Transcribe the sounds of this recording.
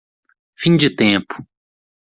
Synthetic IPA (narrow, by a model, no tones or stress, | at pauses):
fĩd͡ʒɪt̪ẽpʊ̥